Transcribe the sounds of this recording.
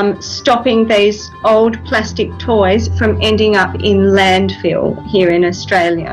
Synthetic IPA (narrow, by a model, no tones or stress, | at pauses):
msstɑpɪ̃ŋðəz | oʊlˠdpʰl̥æstɨk̚tʰɔɪz̥fɹə̃mɛ̃ndɪ̃ŋʌpɪ̃nlæ̃nd̥fḭlˠhiəɹɪ̃nəstɹ̥eɪlˠjə̰